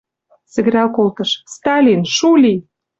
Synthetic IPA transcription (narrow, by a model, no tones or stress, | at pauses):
sɘ̆ɣɘ̆ɾʲɑlkolt̪ɤ̆ʃst̪ɑlʲinʃulʲi